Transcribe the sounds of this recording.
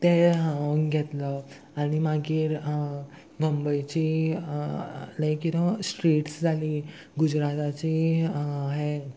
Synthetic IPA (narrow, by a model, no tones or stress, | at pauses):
t̪eɦãəɡʱɛt̪lə | aɽ̃imaɡiːɾ | ɡʱəmbəjt͡ɕi | lə̃kit̪əsʈɾiːʈsd͡zʱali | ɡud͡zɾat̪at͡ɕi | ɦe